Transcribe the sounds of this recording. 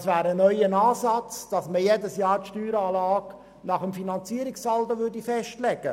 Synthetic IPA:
sʋæːɾənœʏjənɑːsɑt͡sd̥ɑsməjedəsjɑːɾtʃtyːɾɑːlɑːɡ̥ | nɑχəmfinɑnt͡siəɾiksɑltoʋʏɾdifɛʃtlɛɡ̥ə

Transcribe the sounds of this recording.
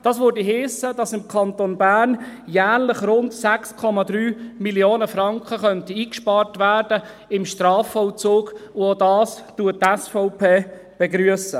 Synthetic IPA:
d̥ɑːsʋøɾdiɦeːsədɑsɪmkʰɑnt̪onbæːrnjæːɾlɪχɾʊndsækskʰɔmɑd̪ɾyːmiljoːnəfɾɑŋkχəχœntəiːkʃpɑːɾtʋæːɾd̥ə | ɪmʃtɾɑːfɔwt͡soːɡʊodɑːstuət̚tɛsfɔʊpeː | b̥ɛɡɾyəsə

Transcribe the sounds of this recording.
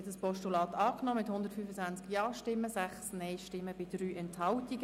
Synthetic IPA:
ɛtəspɔʃtulɑːt̪ɑːknɔːmɪthʊnd̪əɾtfyːfət͡sænt͡skjɑːʃtɪmːəsæχsnɛɪʃtɪmːəbɪd̥ryːʔɛnthɑltiɡə

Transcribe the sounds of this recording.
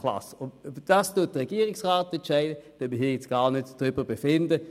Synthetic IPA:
la̰sʊnd̥astuːɐt̚əʁɛɡ̥iːəʁɪksʁaːtɛntt͡ʃɛɪdəd̥øməɦiːɐjɛt͡sɡ̥aːʁnøtd̥ʁʏbəʁbefɪndə

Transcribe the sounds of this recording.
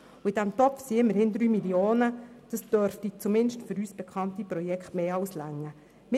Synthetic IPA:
uid̥æmtɔpfsiɪmːəɾhɪnd̪ɾyːmilioːnə | d̥ɑsd̥œɾftit͡sumɪnʃtføɾyːsb̥ɛkʰɑnt̪ipɾɔjɛkχtmeːɑwslæŋːə | m

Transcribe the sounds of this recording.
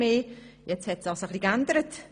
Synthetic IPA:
eːjɛt͡shɛtsd̥ɑsəχlikændəɾət

